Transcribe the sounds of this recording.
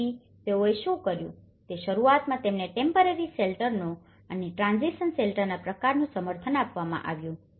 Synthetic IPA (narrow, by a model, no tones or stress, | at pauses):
i | t̪eoeʃũkəɾjṵ̃ | t̪eʃəɾuat̪mãt̪emneʈempəɾeɾiselʈəɾno | əneʈɾãnziʃənselʈəɾnapɾəkaɾnũsəməɾt̪ʰənapʋamã̰ʔa̰ʋjũ